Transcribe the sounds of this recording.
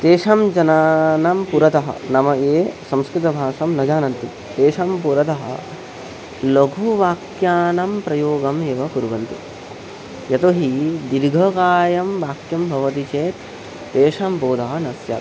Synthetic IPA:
t̪eːʂɐmd͡ʒɐnaːnɐmpuɾɐt̪ɐɦɐ̰nɐmɐeːsɐ̃mskɾɪt̪ɐbʱaːʂɐmnɐd͡ʒaːnɐnt̪i | t̪eːʂɐmpuɾɐt̪ɐɦɐ̰ | loɡʱuʋaːkjaːnɐmpɾɐjoːɡɐmeːʋɐpuɾʋɐnt̪ḭ | jɐt̪oɦid̪iɾɡʱɐkaːjɐmʋaːkjɐmbʱɐʋɐt̪it͡ʃeːt̪ː | eːʂɐmboːd̪ʱaːɦɐnɐsjɐ̰ːt̪

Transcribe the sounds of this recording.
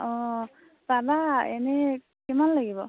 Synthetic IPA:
ɔ̃ | babaɛ̰nɛ | kɛmanlaɡibɔ

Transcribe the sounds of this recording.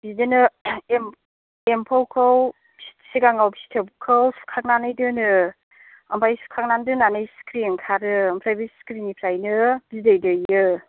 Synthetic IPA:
bidenɯem | empʰowkʰɯw | bsi̥tʰsiɡaŋawbi̥si̥tʰebkʰɯwsu̥kʰak̚nanɯjdɯnɯ | ampʰajsu̥kʰak̚nandɯnanɯjskʰɾinkʰaɾɯːmpʰɾajbiskɾinipʰɾajnɯb̥izdɯjdɯjɯ

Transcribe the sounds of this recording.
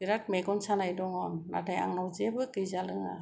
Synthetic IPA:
biɾat̚mɛɡɔnsanajdɔŋɔnːa̰tʰaja̰ŋnawzebɯkɯjzalɯŋa̰

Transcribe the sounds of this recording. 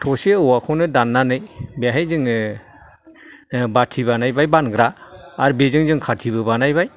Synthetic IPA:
tʰɔseɯwakʰɔnɯdanːanɯjbeɦajzɯŋ | batʰiβanajbajbanɡɾaːɾbezɯŋzɯŋkʰatʰiβɯbanajbaj

